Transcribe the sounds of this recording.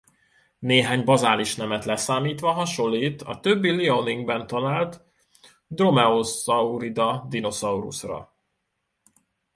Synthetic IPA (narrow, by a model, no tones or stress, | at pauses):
neːɦaːɲbɒzaːliʃnɛmɛt̪lɛsaːmiːt̪ʋɒɦɒʃo̞lːiːt̪ɒ̰t̪øbːilioniŋɡbɛnt̪ɒlaːlt̪ | d̪ro̞mɛosɒuɾid̪ɒd̪ino̞sɒurṵsrɒ̰